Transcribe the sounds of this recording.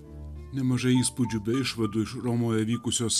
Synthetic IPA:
nɛmɔʒɛjispʊd͡ʒʲʊbɪʃʋed̪ʊʃɾɔmɔjɛʋʲikʊsʲɔɔs

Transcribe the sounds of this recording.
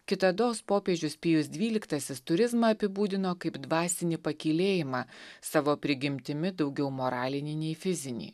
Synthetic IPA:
kʲɪt̪ɐd̪oːspoːpʲeːd͡ʒʲʊspʲɪjʊsd̪ʲʋʲiːlʲɪkt̪ɐsʲɪst̪ʊɾʲɪzmɐɐpʲɪbuːd̪ʲɪnoːkɐɪbd̪ʋɑːsʲɪnʲipɐkʲilʲeːjɪmɑːsɑːʋoːpʲɾʲɪɡʲɪmʲt̪ʲɪmʲɪd̪ɒʊɡʲɛʊmoːɾɑːlʲɪnʲɪnʲɛɪfʲɪzʲɪnʲɛ̰ɪ

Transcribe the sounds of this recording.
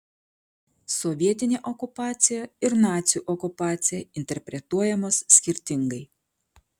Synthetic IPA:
sɔʋʲiɛt̪ʲɪnʲeːʔɔkʊpɑːt̪sʲɪjɛɪɾnɑːt̪sʲɪjuːʔɔkʊpɑːt̪sʲɪjɛɪnʲt̪ʲɛɾʲpʲɾʲɛt̪uɔjɛmoːsːʲkʲɪɾʲt̪ʲɪŋɡɐɪ

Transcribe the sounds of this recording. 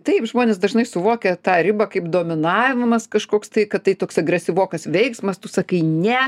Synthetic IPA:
t̪ɐɪpʒmoːnʲeːsd̪ɐʒnɐɪsʊʋoːkʲɛt̪ɑːɾʲɪbɐkɐɪpd̪oːmʲɪnɑːʋʲɪmɐskɐʃkoːkst̪ɐɪkɐtt̪ːɐɪt̪oːksɐɡɾʲɛsʲɪʋoːkɐsʋʲɛɪksmɐst̪ʊsɐkɐɪnʲɛ

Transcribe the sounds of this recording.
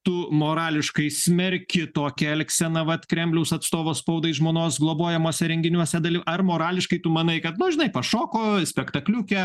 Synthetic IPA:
t̪ʊmoːɾɑːlʲɪʃkɐɪsʲmʲɛɾʲkʲɪt̪oːkʲɛɛlʲksʲɛnɐʋɐt̪kɾʲɛmʲblʲɛʊsɐt̪st̪oːʋoːspɐʊd̪ɐɪʒmoːnoːsɡlˠoːboːjɛmoːsʲɛɾʲɛŋʲɡʲɪnʲuɔsʲɛd̪ɐlʲɪɐrmoːɾɑːlʲɪʃkɐɪt̪ʊmɐnɐɪkɐt̪nʊʒʲɪnɐɪpɐʃoːkoːsʲpʲɛkt̪ɐklʲuːkʲɛ

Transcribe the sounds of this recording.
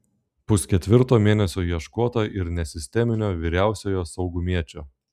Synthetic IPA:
pʊskʲɛt̪ʲʋʲɪɾt̪oːmʲeːnʲɛsʲoːjiɛʃkuɔt̪oʔɪɾnʲɛsʲɪsʲt̪ʲɛmʲɪnʲoːʋʲiɾʲæˑʊsʲoːjoːsɒʊɡʊmʲiɛt͡ʃʲoː

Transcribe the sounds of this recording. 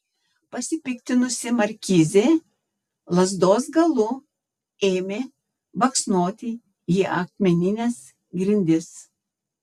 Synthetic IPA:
pɐsʲɪpʲɪkt̪ʲɪnʊsʲɪmɐɾʲkʲiːzʲeː | lˠɐzd̪oːsɡɐlˠʊ | eːmʲeː | bɐksnoːt̪ʲɪ | iːʔɐkmʲɛnʲɪnʲɛs | ɡɾʲɪnʲd̪ʲɪs

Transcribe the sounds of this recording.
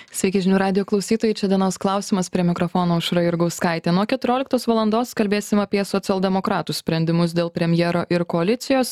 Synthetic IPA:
sʲʋʲɛɪkʲɛʒʲɪnʲuːɾɑːd̪ʲɪjoːklˠɐʊsʲiːt̪oːjɛɪt͡ʃʲɛd̪ʲiɛnɐʊsklˠɑˑʊsʲiːmɐspʲɾʲiɛmʲɪkɾɔfɔːnoːʊʃɾɐɪɾɡɐʊskɑɪt̪ʲeːnuɔkʲɛt̪ʊɾʲoːlʲɪkt̪oːsʋɐlˠɐnd̪oːskɐlʲbʲeːsʲɪmɐpʲiɛsɔt̪sʲɪɛlˠd̪ʲɛmokɾɑːt̪ussʲpʲɾʲɛnʲd̪ʲɪmʊs̬d̪ʲeːlˠpʲɾʲɛmʲjɛːɾoːʔɪɾkɔɐlʲɪt̪sʲɪjoːs

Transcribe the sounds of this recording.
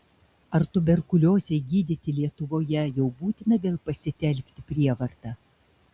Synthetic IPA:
ɐɾt̪ʊbʲɛɾkʊlʲoːzʲɛɪɡʲiːd̪ʲɪt̪ʲɪlʲiɛt̪ʊʋoːjɛjɛʊbuːt̪ʲɪnɐʋʲeːlˠpɐsʲɪt̪ʲɛlʲˑkʲt̪ʲɪpʲɾʲiɛʋɐɾt̪ɐ

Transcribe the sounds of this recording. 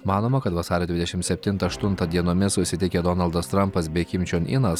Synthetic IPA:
mɑːnoːmɐkɐt̪ʋɐsɑːɾʲɛːd̪ʋʲɪd̪ʲɛʃʲɪmt̪sʲɛpʲt̪ʲɪnt̪ɐɐʃt̪ʊnt̪ɐd̪ʲiɛnoːmʲɪsʊsʲɪt̪ʲɪkʲed̪ɔnɐlˠd̪ɐst̪ɾɐmpɐsbʲɛɪkʲɪmʲt͡ʃʲoːnɪnɐs

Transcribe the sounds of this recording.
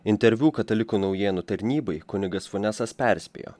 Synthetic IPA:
ɪnʲt̪ʲɛɾʲʋʲuːkɐt̪ɐlʲɪkuːnɒʊjeːnut̪ɐɾʲnʲiːbɐɪkʊnʲɪɡɐsfʊnʲɛsɐspʲæˑɾʲsʲpʲḛːjo̰ː

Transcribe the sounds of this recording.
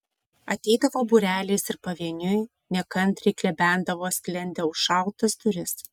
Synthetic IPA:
ɐt̪ʲɛɪd̪ɐʋoːbuːɾʲæːlʲeːsɪɾpɐʋʲiɛnʲʊj | nʲɛkɐnʲt̪ɾʲɪklʲɛbʲænd̪ɐʋoːsʲklʲɛnʲd̪ʲɛʊʃʃɑˑʊt̪ɐsd̪ʊɾʲɪs

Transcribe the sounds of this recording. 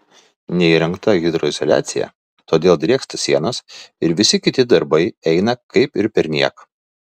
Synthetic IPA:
nʲɛiːɾɐŋkt̪ɐɣʲɪd̪ɾɔɪzɔlʲæ̰ːt̪sʲɪjɛ̰ | t̪oːd̪ʲeːlˠd̪ʲɾʲiɛkst̪ɐsʲiɛnɐsɪɾʋʲɪsʲɪkʲɪt̪ʲɪd̪ɐɾbɐɪɛɪnɐkɐɪpɪɾpʲɛɾʲnʲiɛk

